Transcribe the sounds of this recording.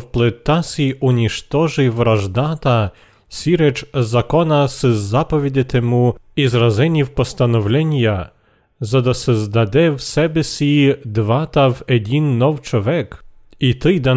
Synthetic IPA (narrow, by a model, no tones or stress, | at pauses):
wplˠɪt̪ɑsʲiʊnʲiʃt̪ɔʒɪjʋɾɐʒd̪ɑt̪ɐ | sʲiɾɛt͡ʃzɐkɔnɐsɪzːɑpɔʋʲid̪ʲɪt̪emuizrɐzɛnʲiwpɔst̪ɐnɔwlʲɛnʲjɐ | zɐd̪ɔsɛzd̪ɐd̪ɛwsɛbesʲid̪ʋɑt̪ɐwedʲinːɔwt͡ʃɔʋɛkit̪ɪjd̪ɐ